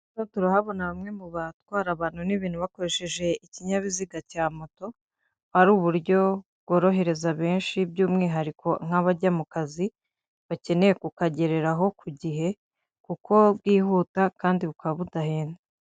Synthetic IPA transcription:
notuɾahaβo̞naβamŋe̞muβatwaːɾaβaːn̥huniβiːn̥huβako̞ɾe̞ʃeʒe̞iciɲaβiziɡacaːmo̞to̞ | aɾuːβuɾɟo̞bɡwo̞ɾo̞ɦe̞ɾe̞zaβe̞ːnʃibjuːmŋiːɦaɾikʰo̞ŋ̥haβaɟamukazi | βace̞ne̞jekukaɟe̞ɾe̞ɾaɦo̞kʰuɟiɦe̞ | kukʰo̞bɡiːhuːtakaːndiβukaβaβudaheːna

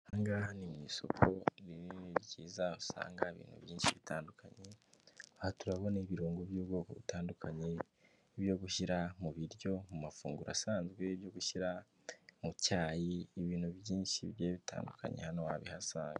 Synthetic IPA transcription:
haŋɡahanimɲiːso̞̰kʰo̞ɾiɾiniɾɟiːzausa̰ːŋɡaiβḭːn̥hṵβjiːnʃiβitʰaːndukaɲe̞ahatuɾaβo̞neβiɾoːŋɡoβjuːbɡo̞ːko̞̰βitaːndukʰaɲe̞ | βjo̞ɡuʃiɾamuβiɾjo̞mumafuːŋɡuɾa̰saːnzɡwe̞βjo̞ɡuʃiɾa | mucaːjiːβiːnhuβjiːnʃḭβjeːβitʰa̰ːndukʰa̰ɲḛhanowaβihasaːŋɡe

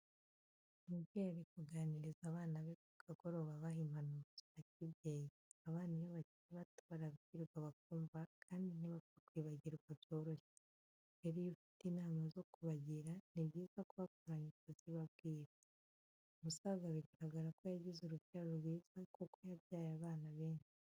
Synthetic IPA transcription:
mubɡeɾikuɡaːniɾizaːβaːnaβekuɡ̥aɡoɾoβaβaɦimanuzaaciβɟeːji | aβaːnijeβaciɾiβataɾaβiɟiɾɡwaβak̚uːmvakʰaːndiniβakakwiːβaɟiɾɡwabjo̞ɾoʃe | eɾijufi̥tinaːmazo̞kuβaɟiɾaniβɟiːzakuβakuɾaɲikaziβaβ̚ɡiːɾa | musaɡaβiɟiɾaɡaɾakojaɟizuɾuɟaɾoɾɡwiːz̥akokojaβjaːjaβaːnaβe̞ːɲʃi̥

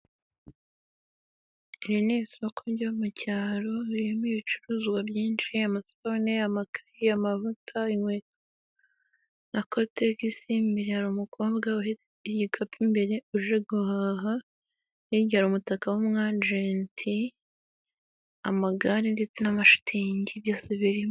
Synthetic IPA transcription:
iɾineːsiokʰoɟomucaːɾo̞ɾiemiβit͡ʃuɾuːzɡwabjiːnʃiamasoneamakahiamavutʰaiŋweka | nakotekisimbiɾehaɾumukʰobɡawoɦe | ɟikʰapʰimbe̞ɾe̞uʒeɡuhaːɦa | jeɟiaɾumutakawomŋad͡ʒentʰi | amaɡaɾindet͡senamaʃu̥tʰiɲɟiβjasiβiɾim

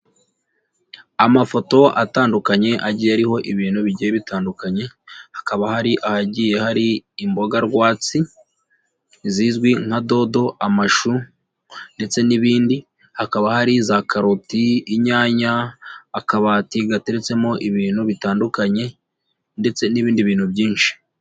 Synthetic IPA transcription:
amafo̞to̞ʔa̰taːndukaɲe̞ʔaɟijeaɾiho̞ʔiβiːnhuβiɟijeβitaːndukaɲe̞hakaβahaɾiʔahaɟije̞haɾiːmbo̞ɡaɾɡwaːt͡si | zizɡwiŋ̥hado̞do̞ʔamaʃu | nde̞t͡se̞niβiːndi | hakaβahaɾizakʰaɾotiiɲaːɲaː | kaβaːtiɡate̞ɾe̞t͡se̞mo̞ʔiβiːnhuβitaːndukaɲe̞ | nde̞t͡se̞niβiːndiβiːnhuβɟiːnʃi̥

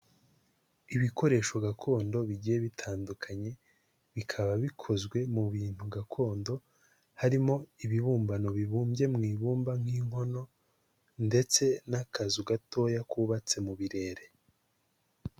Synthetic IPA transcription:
iβiko̞ɾe̞ːʃoɡakʰo̞ːndo̞βiɟijeβitʰaːndukʰaɲe̞ | βikʰaβaβikʰo̞zɡwe̞muβiːn̥huɡakʰo̞ːndo̞ | haɾimo̞iβiβuːmbano̞βiβuːmbje̞mŋiːβuːmbaŋ̥hiːŋɦo̞no̞ | nde̞t͡se̞nakazuɡatʰo̞jakuːβat͡se̞muβiɾe̞ːɾe̞

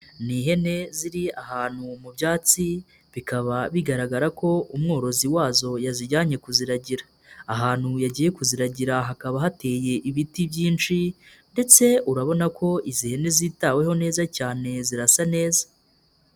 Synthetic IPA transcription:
niːɦe̞ne̞ziɾiahaːn̥humubjaːt͡si | βikaβaβiɡaɾaɡaɾako̞umŋo̞ːɾo̞ziwaːzo̞jaziɟaːɲe̞kuziɾaɟiɾḁː | ɦaːn̥hujaɟiːje̞kuziɾaɟiɾaɦakaβaɦate̞ːje̞ʔiβitibjiːnt͡ʃi | nde̞t͡se̞uɾaβo̞nako̞ʔizihe̞ne̞ziːtaːwe̞ho̞ne̞ːzacaːne̞ziɾasane̞ːzḁ

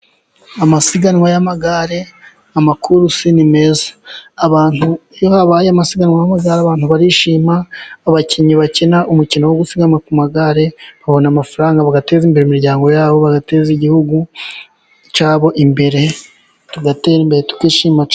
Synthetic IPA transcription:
amasiɡanŋwajamaɡaɾe̞ | amakuɾusinime̞zḁːβaːn̥ujohaβaːjamasiɡanŋwajamaɡaɾeaβaːn̥huβaɾiʃiːmaːβaciɲiβacenaʔumucinowoɡusiɡanŋwakumaɡaɾeβaβo̞namafaɾaːŋɡaβaɡatezimbe̞ɾemiɾɟaːŋɡo̞jaːβo̞βaɡate̞ziɟihuɡu | t͡ʃaːβo̞ʔimbe̞ɾe̞ | tuɡateɾimbeɾetu̥kwiːʃiːmat͡ʃ

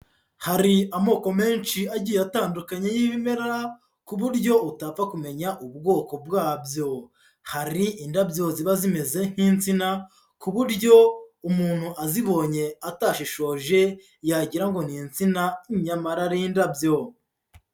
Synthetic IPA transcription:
haɾiamo̞ːko̞me̞ːnʃiaɟiːjataːndukaɲe̞jiβime̞ɾa | kuβuɾɟo̞utafakume̞ɲaʔubɡo̞ːko̞bɡaːbjo̞ | haɾiʔindabjo̞ziβazime̞zen̥hiːnt͡sina | kuβuɾɟo̞umuːn̥huʔaziβo̞ɲe̞ataːʃiʃo̞ːʒe̞ | jaɟiɾaŋɡo̞n̥iːnt͡sinaiɲamaɾaɾejindabjo̞

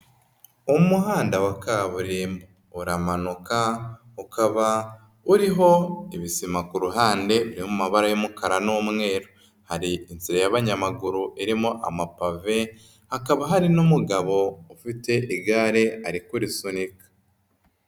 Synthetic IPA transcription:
umuɦaːndawakaβuɾiːmbo | uɾamanuka | ukʰaβa | uɾiɦo̞iβisimakuɾuɦaːnde̞βiɾihomumaβaɾajomukʰaɾanomŋe̞ːɾo | haɾiinziɾajaβaɲamaɡuɾuʔiɾimoʔa̰mapave̞ | hakaβaɦaɾinumuɡaβo̞ufite̞ʔiɡaːɾe̞aɾikuɾisunikḁ

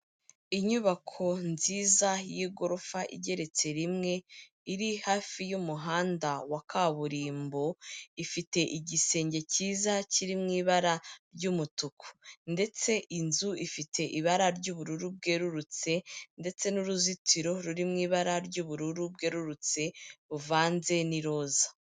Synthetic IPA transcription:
iɲuβakʰo̞nziːzajiɡo̞ɾofaʔḭɟe̞ɾe̞t͡se̞ɾimŋe̞ | iɾihaːfijumuɦaːndawakʰaβuɾiːmbo̞ifite̞ʔiɟise̞ːɲɟe̞ciːzaciɾimŋiːβaɾaɾɟumutukʰo̥nde̞t͡se̞ʔinzuifitʰe̞ʔiβaɾaɾɟuːβuɾuɾub̚ɡe̞ːɾuɾut͡se̞nde̞t͡se̞nuɾuzitʰiɾo̞ɾuɾimŋiːβaɾaɾɟuːβuɾuɾub̚ɡe̞ːɾuɾut͡se̞βuvaːnze̞niɾo̞ːza

